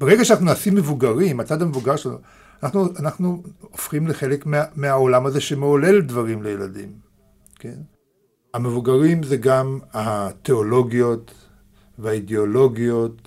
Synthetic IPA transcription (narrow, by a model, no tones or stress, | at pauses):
b̥eʁeɡaʃeanaχnunaːsimːevuɡaʁimat͡sad̪hamevuɡaʁʃanṵ | anaχnuanaχnuofχimleχe̞lekmeameaolamaze̞ʃemeole̞ldvaʁimlejeladḭm | ke̞n | hame̞vuɡaʁimzeɡamate̞olo̞ɡijo̞t | veaideolo̞ɡijo̞t̪